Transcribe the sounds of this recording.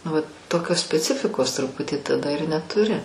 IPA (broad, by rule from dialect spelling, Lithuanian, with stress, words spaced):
nʊ ʋɐ ˈtoːkʲoːs sʲpʲɛˈt͡sʲɪfʲɪkoːs trʊˈpʊtʲiː tɐˈdɐ ɪr nʲɛtʊˈrʲɪ